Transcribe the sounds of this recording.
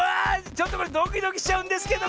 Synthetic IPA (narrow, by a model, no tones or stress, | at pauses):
at͡ɕot̪ːokoɾed̪okʲid̪o̞kʲi̥ɕi̥t͡ɕaɯ̟̃nd̪e̞sɨ̥ke̞d̪o